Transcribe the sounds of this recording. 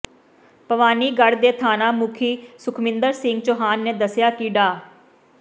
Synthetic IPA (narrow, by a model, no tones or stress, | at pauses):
pəʋaːniːɡəɽd̪eːt̪ʰaːnaːmʊkʰiːsʊkʰmɪ̃nd̪əɾsɪŋɡ̚t͡ʃoːɦaːnːeːd̪əsjaːkiɖaː